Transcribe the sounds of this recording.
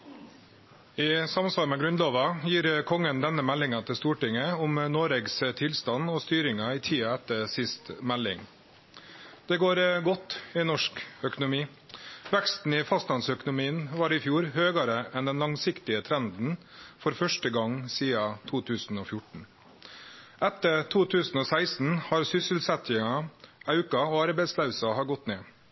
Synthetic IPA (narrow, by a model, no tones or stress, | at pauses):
ɪsɑmsʋɑːɾmɛɡɾʉnloːʋɑjiːɾkʰɔŋːənd̪ɛnːəmɛlːɪŋɑt̪ʰɪlst̪uːʈɪŋəʊmnoːɾɛːɡst̪ʰɪlst̪ɑnɔst̪yːɾɪŋɑɪt̪ʰiːɑɛt̪ːəɾsɪst̪mɛlːɪŋ | d̪̥ɛɡoːɾɡɔt̪ːɪnɔʂkœkʊnʊmiː | ʋɛkst̪n̩ɪfɑst̪ɑnsœkʊnʊmiːənʋɑːɾɪfjuːɾhøːɡɑɾəʔɛnd̪ɛnlɑŋsɪkt̪ɪət̪ʰɾɛnd̪n̩fɔɾfœʂʈəɡɑŋsiːɑt̪ʰuːt̪ʰʉːsn̩oːfjʊʈɳ̩ | ɛt̪ːəɾt̪ʰuːt̪ʰʉːsn̩oːsæɪsn̩hɑɾsʏsəlsɛt̪ʰɪŋɑɑʉkɑoːɑɾbæɪslɑʉsɑhɑɡɔt̪ːneː